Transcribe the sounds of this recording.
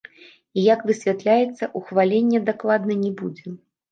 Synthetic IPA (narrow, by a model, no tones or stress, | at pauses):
ijakvɨsʲvʲat̪lʲajɛt̪sːɐʔuxvalʲenʲːɛd̪aklˠad̪nɐnʲɛbud͡zʲɛ